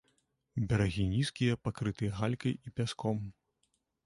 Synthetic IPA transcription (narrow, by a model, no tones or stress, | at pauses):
bʲɛɾaɣʲinʲiskʲijɐpakɾɨt̪ɨjɐɣalʲkɐjipʲaskɔm